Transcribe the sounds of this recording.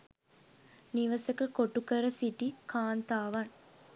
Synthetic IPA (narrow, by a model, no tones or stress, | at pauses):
niʋɐsəkəkoʈukəɾəsiʈikʰaːnt̪aːʋɐŋ